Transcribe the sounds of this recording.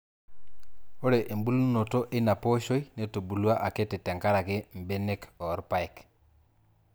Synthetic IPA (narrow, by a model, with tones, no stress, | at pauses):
o˦ɾe˨ʔe˨mbu˦lu˦no˨to˦ʔe˦na˨po˦ʃo˦i˦ne˦to˨bu˨lwa˦ʔa˨ke˦tɪ˨tɛ˨ŋka˦ɾa˨kɪ˦m˨be˦ne˦kɔ˨˦ɾpa˦ɛ˨k